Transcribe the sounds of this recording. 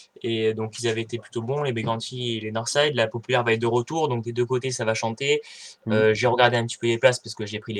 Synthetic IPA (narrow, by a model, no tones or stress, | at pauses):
ed̪ɔ̃kilzavɛet̪eply̥t̪obɔ̃lebeɡɑ̃t̪ielenɔʁsɛjd̪lapɔpylɛʁvaɛt̪̚d̪əʁət̪uʁd̪ɔ̃k̚d̪ed̪økot̪esavaʃɑ̃t̪eøʒeʁəɡaʁd̪eɛ̃pət̪i̥pød̪eplaspaʁsəkəʒepχile